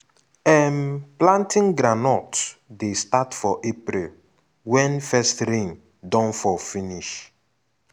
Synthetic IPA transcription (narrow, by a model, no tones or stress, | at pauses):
ɛmplãntĩŋɡɾanɔtdestatfɔʔepɾil | wɛ̃nfɛstɾĩŋ | dɔ̃nfɔfĩniʃ